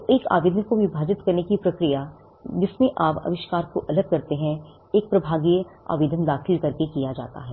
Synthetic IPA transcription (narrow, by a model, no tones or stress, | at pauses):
ʔeːka̰ːʋeːd̪ʱənkoʋjɪbʱaːd͡ʒɪt̪kɐɾnekipɾɐkɾija | d͡ʒɪsmẽʔaːpɐ̰ʋɪʃkaːɾkoʔɐləɡ̚kɐɾt̪eɦɛ̃ | eːk̚pɾɐbʱaːɡija̰ːʋeːd̪ʱənd̪aːxɪlkɐɾkekijad͡ʒa̰ːt̪a̰ɦɛː